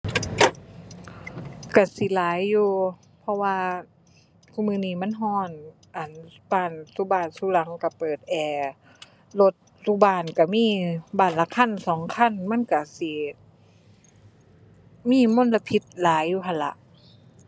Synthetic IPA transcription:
ka˧˩si˨˦laː˨˦jːuː˧ | pʰɔ˧waː˧ | kʰu˧˥˨mɯː˧˨niː˧˩ma˧˥˨nɦɔː˧˩n | ʔa˨˩nbaː˧˩nsu˧˦baː˧˩nsuː˧˦la˨˦ŋka˧˩pɤː˨˩t̪̚ʔɛː˨˩ | lo˧t̪̚suː˧˩baː˧˩nka˧˩miː˧˥˨baː˧˩˨nla˧˨kʰa˧˥˨nsɔː˨˦ŋkʰa˧˥˨nma˧˥˨nka˧˩si˧˦ | miː˧˥˨mo˧˥˨nla˧pʰi˧˦t̪̚laː˨˦jːuː˧ɦʰa˧˨nla˧˦ʔ

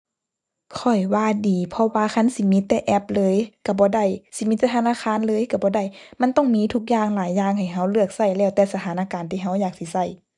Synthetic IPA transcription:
kʰɔ˨˩jwaː˧˩˨diː˨pʰɔ˧waː˧kʰa˧˥˨nsi˧˦mi˧˦t̪ːɛː˧ʔɛ˧˥p̚lɤː˧˥jka˧˩bɔː˧˦da˧˩jsi˧˦mi˧˥t̪ːɛː˧t̪ʰnaː˧˥˨kʰaː˧˥˨nlɤː˧˨jka˧˩bɔː˧˦da˧˩˨jma˧˥˨nt̪ɔ˧˥˩ŋmiː˧˥t̪ʰu˧˥k̚jaː˧˨ŋlaː˨˦jːaː˧˩ŋha˨˩jɦa˧˩wlɯ˥˧˩ək̚sa˧˩jlɛː˧˩wt̪ɛː˧sa˧t̪ʰaː˨˦naː˧˨kaː˨˦nt̪ʰiː˧˩ɦa˧˥˩wjaː˨˩k̚si˧˩˦sa˧˩j

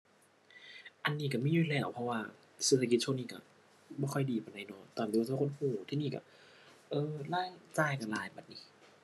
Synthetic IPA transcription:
ʔa˨nːiː˧˩ka˧˩miː˧˨juː˧˩˨lɛː˧˩wpʰɔ˧waː˧˩ | se˧t̪ʰːa˧ki˧t̪̚t͡ɕʰu˧˨niː˧˨ka̰˧˩ | bɔː˧˩kʰɔ˧˩jdiː˨˩paː˨˩nda˧˩jnɔ˧˩t̪aː˨˩md̪i˧˨˧ko˧˥˨huː˧˩t̪ʰiː˧˨niː˧˩ka̰˧˥˩ | ʔɤː˧laː˧˥˩ŋt͡ɕaː˧˩˨jka˧˩laː˨˦jbaː˨˩t̪̚niː˧˩

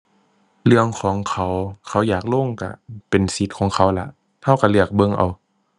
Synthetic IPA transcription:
lɯ˧˩əŋkʰɔː˨˦ŋkʰa˨˦wkʰa˧˩wjaː˨˩k̚loː˧˥˨ŋka̰˧˩pe˨nsi˧˦t̪̚kʰɔː˨˦ŋkʰa˧˥˦wla˧˥ʔ | t̪ʰa˧˩˨wka˧˩lɯ˧˩ək̚bɤ˧˨ŋʔa̰˨˩w

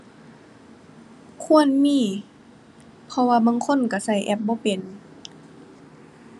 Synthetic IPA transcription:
kʰu˧˥˨ənmiː˧˩˨ | pʰɔ˧waː˧baː˧˨ŋkʰo˧˥˨nka˧˩sa˧˩jʔɛ̰˧˩p̚bɔː˧˦pe˨n

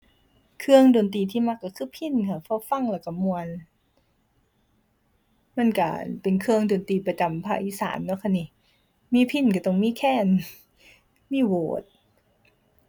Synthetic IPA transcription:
kʰɯ˧əŋdoː˨nt̪iː˧˩t̪ʰiː˧˥˨ma˧˩kːa˧˩kʰɯː˧˥˨pʰi˧˥˨nkʰa˧˩pʰɔː˧˥˨fa˧˩˨ŋlɛ˧˩wka˧˩mu˧ən | ma˧˥˨nka̰˧˩pe˨nkʰɯ˧əŋdoː˨nt̪iː˨˧pɾa˧t͡ɕa˧˨mpʰa̰˧ʔi˧˨sa̰ː˩˦mnɔ˧˥˦kʰa˧˥˨ni˧˨ | miː˧˥˨pʰi˧˥˩nka˧˩t̪ɔ˧˩ŋmiː˧˥˨kʰɛː˧˥˩n | miː˧˥˩woː˨˩˦t̪̚

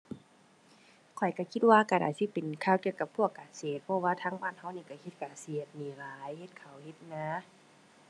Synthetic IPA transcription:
kʰɔ˨˩jka˧˩kʰi˧t̪̚waː˧kaː˧˩da̰ː˨˩jsi˧˦pe˨nkʰaː˧˩wki˧˨wka˧pʰu˧˩əkːaː˨˩seː˨˩t̪̚pʰɔ˧waː˧t̪ʰaː˧˥ŋbaː˧˩˨n̚ha˧˩wniː˧˩ka˧˩hʰe˧˦t̪̚kaː˨˩si˧˩˦t̪̚miː˨˦laː˨˦jhe˧t̪̚kʰa˨˩whe˧t̪̚na˧

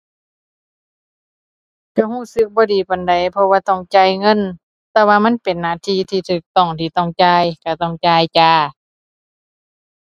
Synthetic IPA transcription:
ka˧˩huː˧˥˨sɯ˧˥k̚bɔː˧˦diː˨˩˦pa˨nda˨˩jpʰɔ˧waː˧t̪ɔ˧˩˨ŋt͡ɕaː˧˨jŋɤ˧˥˨n | t̪ɛː˧waː˧ma˧˥˨npe˨nːaː˧˩˨t̪ʰiː˧˥˨t̪ʰiː˧t̪ʰɯː˧˩k̚t̪ɔ˧˩ŋt̪ʰiː˧˩t̪ɔ˧˩˨ŋt͡ɕaː˧˨jka˧˩t̪ɔ˧˥˩ŋt͡ɕaː˧˩˨jt͡ɕaː˧

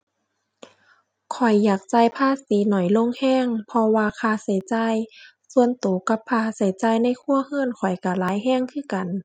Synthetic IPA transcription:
kʰɔ˨˩jːaː˨˩k̚t͡ɕa˧jpʰaː˧˥˨siː˨˦nɔ˨˩jlo˧˥˨ŋhɛː˧˥˨ŋpʰɔ˧waː˧kʰaː˧˩sa˨˦jt͡ɕaː˧j | su˧ənt̪uː˨˩˦ka˧˦pʰːaː˧sa˨˦jt͡ɕaː˧˩˨jna˧˥˨jkʰu˧˥˩ɐ˨hɯː˧˥˨nkʰɔ˨˩jka˧˩laː˨˦jɦɛː˧˥˨ŋkʰɯː˧˥˩ka˨n

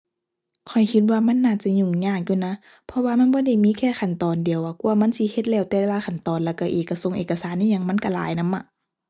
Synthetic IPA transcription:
kʰɔ˨˩jkʰi˧t̪̚waː˧ma˧˥˨nːaː˧˩t͡ɕa˧˨ɲu˧˩˨ŋɲaː˧˩k̚juː˧˨na˧˥˨ | pʰɔ˧waː˧ma˧˥˨nbɔː˧˥˦da˧˩jmiː˧˥˨kʰɛː˧˩˨kʰa˨˩˨nt̪ɔː˨ndi˨əwʔa˧˩ku˧˨ɐma˧˥˨nsi˧˦he˧t̪̚lɛː˧˩wt̪ɛː˧waː˧˥˨kʰa˨˩nt̪ɔː˨nlɛː˧˩wka˧˨ʔeː˨˩kːa˧˩so˧˨ŋʔeː˨˩kːa˧saː˨˦nːʔa˧˨ɲa˧˨ŋma˧˥˨nka˧˩la̰ː˨˦jna˧˥mʔa˧˨

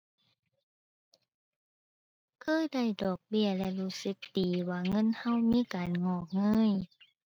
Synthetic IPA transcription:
kʰɤː˧˥˨da˧˥˩jdɔː˨˩k̚bi˧˥˩ɐlɛ˧luː˧˥sɯ˧˦˥k̚diː˨˩waː˧˩ŋɤ˧˥˨nha˧˥˨wmiː˧˥˨kaː˨nŋɔː˧˩k̚ŋɤː˧˥˨j

